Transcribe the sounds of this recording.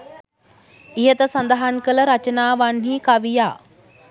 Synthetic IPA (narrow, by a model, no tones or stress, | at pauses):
ijət̪əsand̪aɦankələɾat͡ʃənaːʋanɦiːkaʋijaː